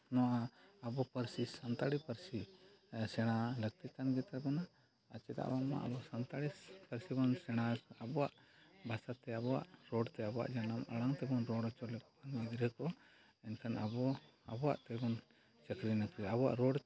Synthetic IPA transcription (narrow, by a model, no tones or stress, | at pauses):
nɔwʔaabɔpəɾsisant̪aɽipəɾsisɛɽ̃aləɡt̪it̪anɡɛt̪abɔna | ət͡ʃɛt̪a̰ʔbama̰ʔa̰bɔsant̪aɽipəɾsibɔnsɛɽ̃aabɔwaʔbʱasat̪ɛabɔwa̰ʔɾɔɖt̪ɛabɔwa̰ʔd͡ʒanaməɽaŋt̪ɛbɔnɾɔɽɔt͡ʃɔlɛkɔ̥anid̪ɾəkɔ | ɛnkʰanabɔabɔwa̰ʔt̪ɛbɔn | t͡ʃəkɾinəkɛabɔwa̰ʔɾɔɖ